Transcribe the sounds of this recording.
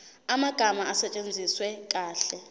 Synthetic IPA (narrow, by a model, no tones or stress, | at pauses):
amaɡ̥ʱamaasɛt͡ʃʼend͡zʱiswɛk̬ʼaːɬɛ